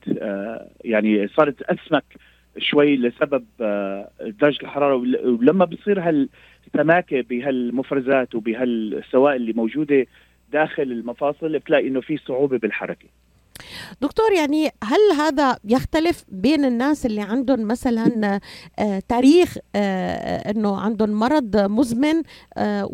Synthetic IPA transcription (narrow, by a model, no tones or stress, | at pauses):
jaʕnisˤɑːɾˤt̪ʔasmak | ʃwajːlɪsabab̚ | d̪ɑɾˤd͡ʒɪlħɑɾˤɑːɾˤɑlamːabisˤiːɾɦal | t̪ːamaːkɪbɪɦalmʊfɾˤɑzaːt̪wbɪɦalsːawaːʔɪlːimowʒuːd̪e | d̪aːxɪlɪlmɑfɑːsˤɨlʔɪbt̪laːʔɪnːofisˤʊʕuːbebɪlħɑ̰ɾˤɑke̥ | d̪̥ʊkt̪oːɾjaʕniɦalɦaːd̪ajɪxt̪alɪfbeːnɪnːaːsʔɪlːiʕand̪ʊnmasalanʔt̪aːɾiːx | ʔɪnːoʕand̪ʊnmɑɾˤɑd̪ˤmʊzmɪn